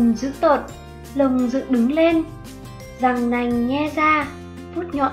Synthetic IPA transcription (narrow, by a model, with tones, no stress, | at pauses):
mzɨ̰˧˥t̪o˨˩t̚ | lə˨˩ŋ͡mzɨ̰˧˨ɗɨ˨˦ŋle˧n | za˨˩ŋna˨˩jŋ̟ŋɛ˧zaː˧ | fu˦˥t̚ɲɔ̰˧˨